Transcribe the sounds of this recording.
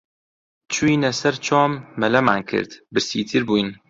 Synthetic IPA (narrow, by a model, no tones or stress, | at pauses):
t͡ʃʰuinɛsɐɾt͡ʃʰɑːmːɛlɐmaːnkʰɨ̰ɾd̪bɨɾsḭːt̪ʰɨɾbuːjn